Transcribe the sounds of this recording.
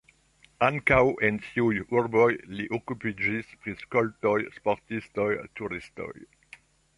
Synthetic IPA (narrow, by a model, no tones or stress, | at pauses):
aŋkawʔentʰiujuɾbojliʔokupid͡ʒispʁiskoltojspoʁt̪istojt̪uɾisto̰j